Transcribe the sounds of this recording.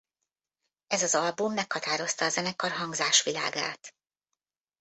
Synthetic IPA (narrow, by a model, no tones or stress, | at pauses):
ɛzɒzɒlbumːɛkhɒt̪aːɾo̞st̪ɒːzɛnɛkɒrɦɒŋɡzaːʃʋila̰ːɡa̰ːt̪